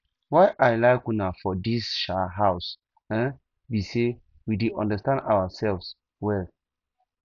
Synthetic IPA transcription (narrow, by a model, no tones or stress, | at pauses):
wajʔajlaɪkunafɔdisʃaɦaʊs | ɛ̃n | bise | widiʔɔ̰̃ndəstãndawəsɛlvs | wɛl